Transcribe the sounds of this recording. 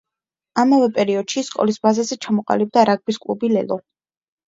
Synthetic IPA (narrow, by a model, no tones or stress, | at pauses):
amavɛpʼɛɾiɔd̪̥ʃiskʼɔ̰lisbazazɛt͡ʃʰamɔqʼa̰lib̚d̪aɾaɡ̚biskʼlṵbilɛ̰lˠɔ